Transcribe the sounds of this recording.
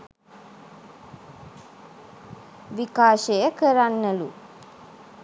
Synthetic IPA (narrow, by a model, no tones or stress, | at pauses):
ʋikaːʃejəkəɾanːɐlṵ